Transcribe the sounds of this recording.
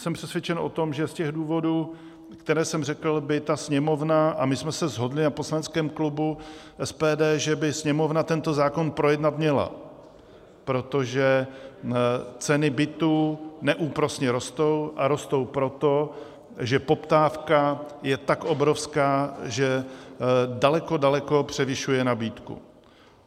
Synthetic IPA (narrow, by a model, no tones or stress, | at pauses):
sɛmpr̥ɛsvjɛt͡ʃɛnʔo̞̰t̪o̞mʒɛscɛɣduːvo̞duː | kt̪ɛɾɛːsɛmrɛkl̩bɪt̪asɲɛmo̞vnaʔamɪsmɛsɛzɦo̞dlɪnaposlanɛt͡skɛːmklubuʔɛspɛːdɛːʒɛbɪsɲɛmo̞vnat̪ɛnt̪o̞zaːko̞npɾo̞jɛdnat̪mɲɛla̰ | pɾo̞t̪o̞ʒɛ | t͡sɛnɪbɪt̪uːnɛʔuːpɾo̞sɲɛɾo̞st̪o̞wʔaɾo̞st̪o̞wpɾo̞t̪o̞ | ʒɛpo̞pt̪aːfkajɛt̪akʔo̞bɾo̞fskaːʒɛ | dalɛko̞dalɛko̞pr̝̥ɛvɪʃujɛnabiːt̪kṵ